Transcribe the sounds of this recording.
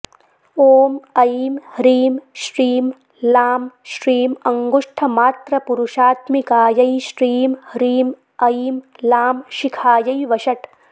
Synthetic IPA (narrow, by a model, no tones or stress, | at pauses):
oːmɐjiːmhɾiːmʃɾiːm | laːmʃɾiːmɐŋɡuʂʈʰɐmaːt̪ɾɐpuɾuʃaːt̪mikaːjɐjʃɾiːmhɾiːm | ɐjimlaːmʃikʰaːjɐjʋɐʃɐʈ